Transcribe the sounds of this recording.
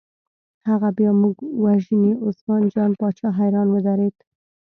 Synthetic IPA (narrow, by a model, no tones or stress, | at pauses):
haɣabjɑmuɡwaʒəneʔʊsmɑnd͡ʒɑnpɑt͡ʃɑɦajɾɑnwəd̪aɾed̪